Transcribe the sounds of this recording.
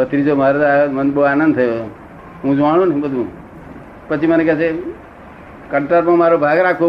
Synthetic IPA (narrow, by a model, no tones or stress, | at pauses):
ət̪ɾid͡ʒomaɾet̪amənd̪boaːnə̃nd̪̚t̪ʰəjo | ɦũd͡ʒaɽ̃õnĩbəd̪ʱũ | pət͡ʃʰimənekɛt͡ʃʰe | kəɳʈəɾpãmaɾobʱaɡɾakʰo